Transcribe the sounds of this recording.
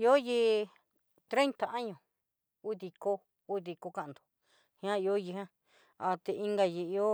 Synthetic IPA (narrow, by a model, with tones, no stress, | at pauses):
i˧o˦ji˧ | t̪ɾẽ˦nt̪a˨˧ʔã˦ɲõ˨ | u˦ði˧ko˦ | u˦t̪i˧ko˧kã˦ʔnd̪o̥˨ | hĩ˧˦ã˦i˧o˦ji˧ɦã˦ | a˧˨t̪e˧i˦˧ŋɡa˧ji˧i˧o˦